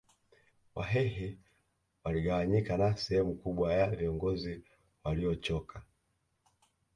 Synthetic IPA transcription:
wʔa̰ɦɛɦɛ | waliɡawaɲikanasɛhɛmukuɓwajaviɔŋɡɔzi | waliɔt͡ʃɔkʰa

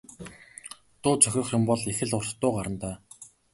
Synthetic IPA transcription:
t̪ʊːt͡sʰœxʲɪ̆χjʊmpɔɮexɘ̆ɮʊrst̪ːʊːɢaɾə̆nt̪aː

